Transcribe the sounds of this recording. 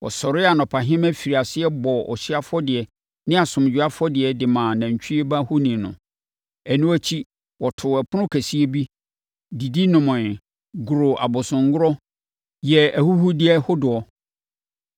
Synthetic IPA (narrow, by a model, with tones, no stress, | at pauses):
wɔ̰˨sɔ˨ɾɪ˦a˨nʊ̃˨pʰa˨ɦɪ̃˦mæ˦fi˨ɾi˨a˨sɪ˦ɛ˦bɔ˨ɔ̰˨ɕi˦a˦fɔ˦dɪ˨ɛ˨ | nɪ̃˦a˨sʊ̃˨m˨d͡ʑᶣu˨˦a˦fɔ˦dɪ˨ɛ˨dɪ˨mãː˨næ̃˨ɲ˨t͡ɕʰᶣi˦e˦ba˦hʊ˦nĩ˨nʊ̰̃˨ | æ˨nũ˦æ˦t͡ɕʰi˦ | wɔ˨tʰʊ˨ɛ˨pʰʊ˦nʊ̃˦kʰæ˨si˦e˦bi˦ | di˨di˦nʊ̃˨mʊ̃˨ | ɡʊ˨ɾo˨ʔa̰˨bʊ˨sʊ̃˨ŋ˦ɡʊ˦ɾɔ˦ | jɛ˨æ˨hu˦hu˦dɪ˨˦ɛ˦hʊ˦dʊ˨ɔ˦